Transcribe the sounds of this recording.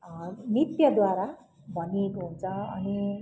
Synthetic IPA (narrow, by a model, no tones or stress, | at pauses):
nit̪jʌd̪waɾa | bʱʌniekoɦunt͡sʰʌʌni